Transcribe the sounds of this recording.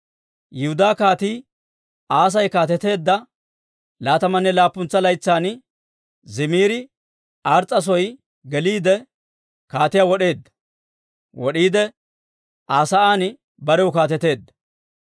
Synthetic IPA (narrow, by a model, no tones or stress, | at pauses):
jɪhʊd̪aːkaːt̪iː | aːs̬ɐjkaːt̪ɛt̪e̞ːd̪ːɐ | laːt̪ɐmɐnːɛlaːpːʊnt͡sːɐlɐjt͡sːaːn | zɪmiːɾɪ | aːɾt͡sʼːɐs̬ɔj | ɡɛliːd̪ɛ | kaːt̪ɪjaːwɔɗe̞ːd̪ːɐ̥ | wɔɗiːd̪ɛ | ʔaːsɐʔaːn | bɐɾɛwʊkaːt̪ɛt̪e̞ːd̪ːɐ̥